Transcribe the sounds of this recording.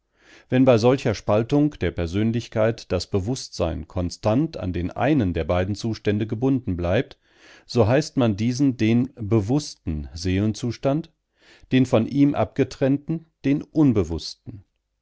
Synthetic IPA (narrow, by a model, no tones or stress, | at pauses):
vɛnbaɪzɔlçɐʃpaltʊŋd̥eːɐpɛɐzøːnlɪçkaɪtd̥asb̥əvʊstz̥aɪnkʰɔnstantʰa̰ndeːnʔa̰ɪnəndeːɐbaɪdn̩t͡suːʃtɛndəɡəbʊndn̩blaɪp̚t | z̥oːɦaɪstmandiːzn̩deːnbəvʊstn̩zeːlənt͡suːʃtant | d̥eːnfɔnʔiːmʔa̰p̚ɡ̥ətʁ̥ɛntn̩d̥eːnʔʊnbəvʊstn̩